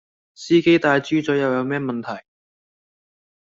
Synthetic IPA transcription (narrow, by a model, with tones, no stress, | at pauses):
siː˥ke˥jt̪aː˧jt͡ʃyː˥t͡sɔ˨˥jɐ˨˧wjɐ˨˧wmɛː˥mɐ˨nt̪ʰɐ˨˩j